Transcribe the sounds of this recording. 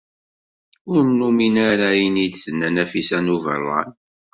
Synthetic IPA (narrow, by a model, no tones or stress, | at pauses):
ʊɾmnuminaɾajinid̪θənːænæfisænuvə̰rˤːɑ̰n